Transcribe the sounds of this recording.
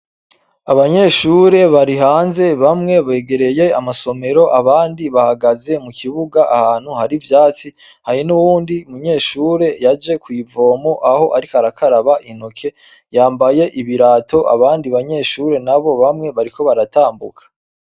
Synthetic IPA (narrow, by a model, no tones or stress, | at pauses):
aβaɲe̞ːʃuːɾe̞βaɾiɦaːnze̞βamŋe̞βe̞ːɡe̞ɾe̞je̞amaso̞me̞ɾo̞ʔaβaːndiβahaɡaze̞mukʰiβuɡaʔa̰haːn̥huhaɾivjaːt͡si | hajinuwuːndiumuɲe̞ːʃuːɾe̞jad͡ʒe̞kwiːvo̞ːmoʔaho̞ʔaɾikaɾakʰaɾaβaʔinokʰe̞ | jaːmbaje̞ʔiβiɾaːtʰo̞ʔa̰βaːndiβaɲe̞ʃuɾe̞naβo̞βamŋe̞βaɾiko̞βaɾataːmbukʰḁ